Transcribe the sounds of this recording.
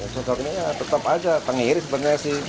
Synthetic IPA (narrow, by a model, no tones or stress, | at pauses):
sosɔknijat̪ət̪əpad͡ʒat̪əŋeɾisəbət̪̚ɲasɪh